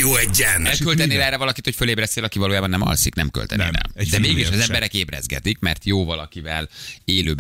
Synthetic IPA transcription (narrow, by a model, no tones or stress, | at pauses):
joːɛɟːɛnɛlkølt̪ɛneːlɛrːɛvɒlɒkit̪hocfø̞leːbrɛseːlɒkivɒloːjaːbɒnːɛmɒ̰lsiknɛmkø̰lt̪ɛ̰nḛːlɛ̰d̪ɛmeːɡiʃɒzɛmbɛɾɛkeːbrɛ̰zɡɛ̰t̪ikmɛrt̪joːvɒlɒkivɛleːløːb